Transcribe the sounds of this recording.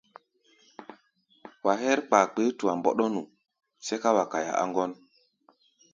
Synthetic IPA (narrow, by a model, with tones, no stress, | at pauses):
wa˨ɦɛ˦ɾk͡pa˨k͡pe˨˦tu˨a˨mbɔ̰˨ɗɔ˦nu˨ | se˦ka˦wa˨ka˨ja̰˨ʔa̰˦ŋɡɔ˦n